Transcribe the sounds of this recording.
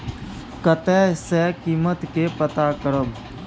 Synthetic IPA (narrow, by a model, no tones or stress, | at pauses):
kət̪ɛːsɛːkiːmət̪kepət̪aːkəɾəm